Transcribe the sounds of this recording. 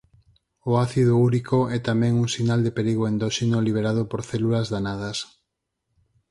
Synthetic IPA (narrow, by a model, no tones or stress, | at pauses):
oaθiðouɾikoɛt̪amɛ̃ŋuŋsinald̪epeɾiɣoend̪oʃenoliβ̞eɾað̞opoɾθɛlulazðanað̞ɐs